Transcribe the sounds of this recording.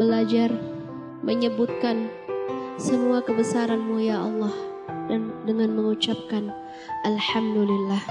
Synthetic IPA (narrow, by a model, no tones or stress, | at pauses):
bəlad͡ʒar | məɲəbʊt̪̚kan | səmuakəbəsaɾanmujaɑlːɑh | dandəŋanməŋut͡ʃap̚kan | ʔalhamdulilːah